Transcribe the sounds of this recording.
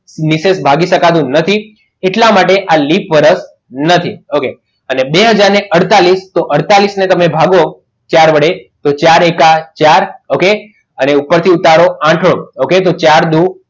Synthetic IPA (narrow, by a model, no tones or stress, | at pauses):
nisesbʱaɡiʃəkat̪̬ũnət̪ʰi | eʈlamaʈeʔalipʋəɾəs | nət̪ʰioke | ənebeɦəd͡ʒaɾneʔəɽt̪alist̪oʔəɽt̪alisnet̪əmebʱaɡo | t͡ʃaɾʋəɽet̪ot͡ʃaɾekat͡ʃaɾoke | əneupːəɾt̪ʰiut̪aɽoãʈʰəɭo̰oket̪ot͡ʃaɾd̪u